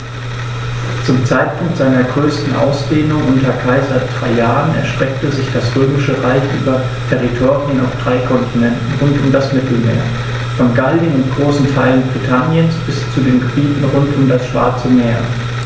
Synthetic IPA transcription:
t͡sʊmt͡saɪt̚pʰʊŋk̚tz̥aɪnɐɡʁøːstn̩ʔa̰ʊsd̥eːnʊŋʔʊntʰɐkʰaɪzaɪt̚d̥ʁa̰ɪjaːʁənɛ̰ɐʃtʁ̥ɛk̚təzɪçd̥asʁøːmɪʃəʁaɪçʔy̰ːbɐ | tʰɛʁitʰoːʁiəna̰ʊfd̥ʁaɪkʰɔntʰinɛntn̩ʁʊntʊmdasmɪtl̩mḛːɐ | fɔnɡalənʊntɡ̥ʁoːsn̩tʰaɪlənbʁitʰanjənsb̥ɪst͡sudeːnɡəbiːtn̩ʁʊntʊmdasʃv̥a̰ɐt͡səmeːɐ

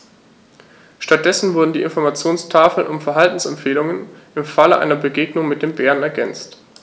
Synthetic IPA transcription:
ʃtat̚d̥ɛsn̩vʊɐdn̩diːʔɪnfɔɐmat͡sjoːnstʰaːfl̩nʔʊ̰mfɛɐɦaltn̩sɛmpfeːlʊŋənʔɪmfaləʔa̰ɪnɐbəɡeːɡnʊŋmɪt̚d̥eːmbeːʁənɛɐɡɛnt͡st

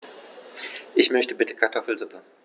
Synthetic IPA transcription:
ʔɪçmœçtəbɪtə̥kʰaɐtʰɔfl̩zupə

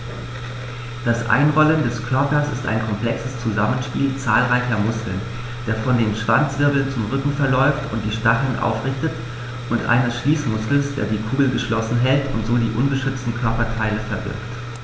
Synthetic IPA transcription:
d̥asʔa̰ɪnʁɔləndɛskʰœɐpɐsɪsta̰ɪnkʰɔmpl̥ɛksəst͡suzamənʃpḭːlt͡saːlʁaɪçɐmʊskl̩n | d̥eːɐfɔndeːnʃv̥ant͡sv̥ɪɐbl̩nt͡sʊmʁʏkŋ̩fɛɐlɔʏftʰʊ̰nt̚d̥iːʃtaχl̩nʔa̰ʊfʁɪçtət | ʔʊntʔa̰ɪnəsʃliːsmʊskl̩sd̥ḛːɐdiːkʰuːɡl̩ɡəʃlɔsn̩ɦɛltʰʊ̰ntz̥oːdiːʔʊnbəʃʏt͡stn̩kʰœɐpɐtʰaɪləfɛɐbɪ̰ɐkt

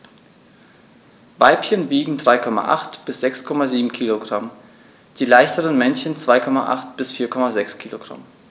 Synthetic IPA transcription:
vaɪpçənviːɡŋ̩dʁaɪkʰɔma̰ʔa̰χtb̥ɪsz̥ɛkskʰɔmaziːbm̩kʰiːloɡʁam | d̥iːlaɪçtəʁənmɛnçənt͡sv̥aɪkʰɔma̰ʔa̰χtb̥ɪsfiːɐkʰɔmazɛkskʰiːloɡ̥ʁa̰m

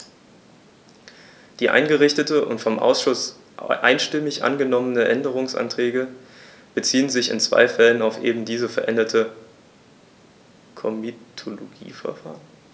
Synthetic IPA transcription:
d̥iːʔa̰ɪnɡəʁɪçtətəʔʊ̰ntfɔmʔa̰ʊsʃʊs | ʔaɪnʃtɪmɪçʔa̰nɡənɔmənəʔɛndəʁ̞ʊŋsʔa̰ntʁ̥ɛːɡə | b̥ət͡siːənzɪçɪ̰nt͡sv̥a̰ɪfɛlənaʊfʔeːbm̩diːzəfɛɐʔɛndɐtʰə | kʰɔmitʰoloɡ̥ḭːfɛɐfa̰ːʁən

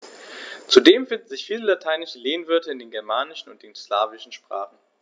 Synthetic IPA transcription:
t͡sudeːmfɪndn̩zɪçfiːləlatʰaɪnɪʃəleːnvʏɐtəɪndeːnɡɛɐmaːnɪʃn̩ʊnt̚d̥enslaːvɪʃn̩ʃpʁ̥a̰ːχn̩

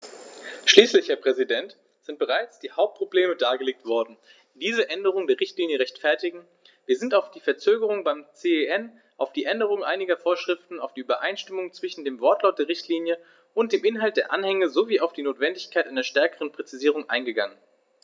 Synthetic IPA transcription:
ʃliːslɪçhɛːɐpʁ̥ɛzidɛnt | z̥ɪnt̚b̥əʁ̞aɪt͡sd̥iːhaʊp̚t̚pʁ̥obleːmədaːɡəleːk̚tv̥ɔɐdn̩ | d̥iːzəʔɛndəʁ̞ʊŋndeːɐʁɪçtliːnjəʁ̞ɛçtfɛɐtɪɡŋ̩ | viːɐzɪntaʊfd̥iːfɛɐt͡søːɡəʁ̞ʊŋbaɪmt͡seːeɛn | ʔaʊfd̥iːʔɛndəʁ̞ʊŋʔaɪnɪɡɐfoːɐʃʁ̥ɪftn̩aʊfd̥iːʔyːbɐʔaɪnʃtɪmʊŋt͡sv̥ɪʃn̩deːmvɔɐtlaʊt̚d̥eːɐʁɪçtʰliːnjə | ʔʊnt̚d̥eːmʔɪnɦalt̚d̥eːɐʔanhɛŋəzoviːaʊfd̥iːnoːtv̥ɛndɪçkʰaɪtʔa̰ɪnɐʃtɛɐkəʁənpʁ̥ɛt͡siziːʁʊŋʔa̰ɪnɡəɡaŋən

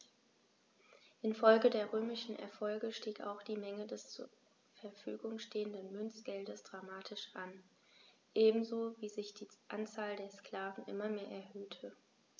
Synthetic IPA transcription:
ʔɪnfɔlɡədeːɐʁøːmɪʃn̩ʔɛ̰ɐfɔlɡəʃtiːka̰ʊxd̥iːmɛŋədɛst͡su | fɛɐfy̰ːɡʊŋʃteːəndənmʏnt͡sɡ̥ɛldəsd̥ʁamaːtʰɪʃʔan | ʔeːbm̩zoːviːzɪçd̥iːʔant͡saːldeːɐskl̥aːvn̩ʔɪ̰mɐmeːɐʔɛɐhøːtʰə

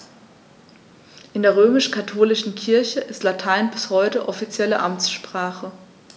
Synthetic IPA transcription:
ʔɪndeːɐʁ̞øːmɪʃkʰatʰoːlɪʃn̩kʰɪɐçəʔɪstlatʰaɪnbɪshɔʏtəʔɔfit͡sjɛlə̰ʔamt͡sʃpʁ̥aːχə

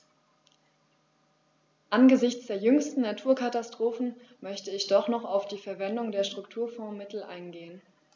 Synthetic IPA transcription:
ʔanɡəzɪçt͡sd̥eːɐjʏŋstn̩natʰuːɐkʰatastʁ̥oːfn̩mœçtəɪçd̥ɔχnɔχaʊfd̥iːfɛɐvɛndʊŋdeːɐʃtʁ̥ʊktʰuːɐfɔ̃ːmɪtl̩ʔa̰ɪnɡeːən

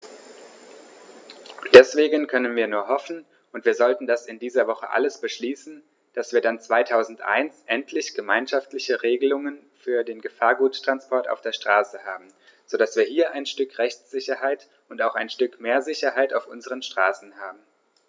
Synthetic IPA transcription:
d̥ɛsv̥eːɡənkʰœnənviːɐnuːɐɦɔfn̩ | ʊntv̥iːɐzɔltn̩dasɪndiːzɐvɔχə̰ʔa̰ləsb̥əʃliːsn̩ | d̥asv̥iːɐdant͡sv̥aɪtʰaʊzn̩tʔa̰ɪnsʔɛntʰlɪçɡ̥əmaɪnʃaftlɪçəʁeːɡəlʊŋən | fyːɐdeːnɡəfaːɐɡuːttʁ̥anspʰɔɐta̰ʊfd̥eːɐʃtʁ̥aːsəhaːbm̩ | z̥oːdasv̥iːɐhiːɐʔaɪnʃtʏkʁɛçt͡sz̥ɪçɐhaɪt | ʊntaʊxaɪnʃtʏkmeːɐzɪçɐhaɪtaʊfʔʊnzəʁ̞ənʃtʁ̥aːsn̩haːbm̩

